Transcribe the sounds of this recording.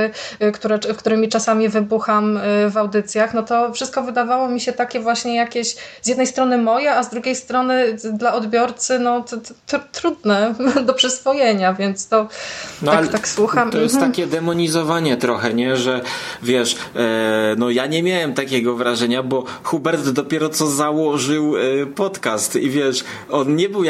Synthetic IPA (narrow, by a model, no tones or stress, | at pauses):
kt̪uɾɛfkt̪uɾɘmʲit͡ʂasamʲivɘbuxamvawd̪ɘt̪sʲjaxnɔt̪ɔfʂɨst̪̚kɔvɘd̪avawɔmʲiɕɛt̪akʲɛvwaɕɲɛjakʲeɕzjɛd̪nɛjst̪ɾɔnɘmɔjɛazd̪ɾuɡʲejst̪ɾɔnɘd̪laʔɔd̪bʲjɔɾt̪sɘnɔt̪ɾt̪ɾud̪nɛd̪ɔpʂɘsvɔjɛɲavʲjɛnt̪st̪ɔnɔjalkt̪akswuxamɔjɛst̪t̪akʲɛd̪ɛmɔɲizɔvaɲɛt̪ɾɔxɛɲɛʐɛvʲjɛʂ | nɔjaɲɛmʲjawɛmt̪akʲɛɡɔvɾaʐɛɲabɔ | xubɛɾd̪ːɔpʲjɛɾɔt̪sɔzawɔʐɘwpɔt̪kast̪ivʲjɛʂ | ɔnɲɛbɘw